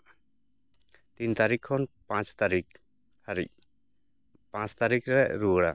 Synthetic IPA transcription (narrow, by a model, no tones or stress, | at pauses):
t̪int̪aɾikʰːɔnpãt͡ʃt̪aɾik | haɾḭc̚ | pãt͡ʃt̪aɾikɾɛʔɾuɽa